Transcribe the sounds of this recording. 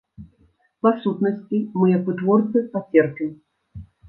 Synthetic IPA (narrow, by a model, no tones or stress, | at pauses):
pasut̪nɐsʲt͡sʲimɨjapɨt̪vɔrt̪sɨpat͡sʲɛrpʲim